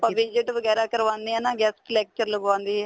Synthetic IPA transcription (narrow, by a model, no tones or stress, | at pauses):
pãʋɪd͡ʒəʈʋəɡɛːɾaːkəɾʋãːnd̪iɦɛːnaːɡɛːskəlɛːk̚t͡ʃəɾlɡəʋãːnd̪iːɦɛː